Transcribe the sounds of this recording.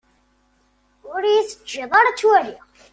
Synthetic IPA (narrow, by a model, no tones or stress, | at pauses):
ʊɾjisəd͡ʒːeðˤɑɾt͡sːwæɦi